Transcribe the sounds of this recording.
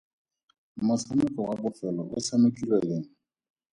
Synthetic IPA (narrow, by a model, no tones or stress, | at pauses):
mʊsamɛkɔwabɔfɛlɔʔʊsamekʼilɛkɛŋ̩